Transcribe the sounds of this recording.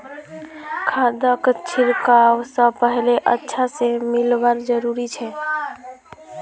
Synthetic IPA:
kʰad̪əkt͡ʃʰiɾkawsəpəɦileʔətːʃʰasemilbəɾd͡ʒəɾuɾit͡ʃʰɛ

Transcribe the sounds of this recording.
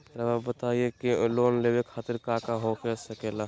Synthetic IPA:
ɾəmabət̪aiekiloːnlewekʰaːt̪iɾkaːkaɦokesəkela

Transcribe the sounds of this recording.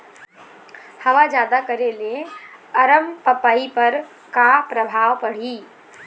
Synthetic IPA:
həʋad͡ʒjaːd̪akəɾeleəɾəmpəpaːipəɾ | kapɾəbʱaːʋpəɽ̤iː

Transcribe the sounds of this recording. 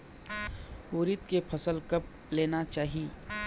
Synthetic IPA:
oːɾɪt̪kepʰɐsəlkɐp̚ | leːnat͡ʃaːɦii

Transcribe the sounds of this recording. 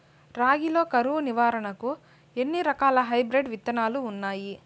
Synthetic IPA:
ɾaːɡilo̞ːkɐɾuːniʋaːɾɐɳɐku | enːiɾɐkaːlɐɦɐjbɾeɖʋit̪ːɐnaːluːnːaːji

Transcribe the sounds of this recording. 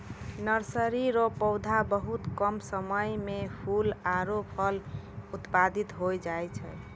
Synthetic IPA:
nəɾsəɾiɾopɔwd̪ʱabəɦut̪kəmsəməjmepʰulaɾopʰəl | ut̪pad̪it̪ɦojd͡ʒajt͡ʃʰɛ̰

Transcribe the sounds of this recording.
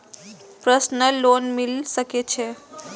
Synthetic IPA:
pɾəsnəlonmilsəket͡ɕʰe

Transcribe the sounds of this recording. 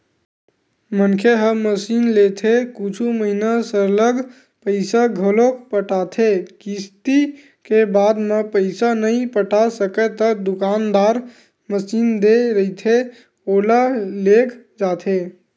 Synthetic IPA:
mənkʰeɦəməsinlet̪ʰekut͡ʃʰuməɦinasələɡ | pəɪsaɡʱolokpəʈat̪ʰekist̪i | kebad̪mepəɪsanəipəʈasəket̪əd̪ukand̪aɾ | məsind̪eɾəit̪ʰe | olalekʰd͡ʒat̪ʰe

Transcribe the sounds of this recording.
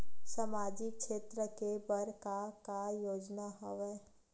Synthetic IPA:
səmaːd͡ʒikʃeːt̪ɾəkebəɾkakajoːd͡ʒnaɦɔʋeː

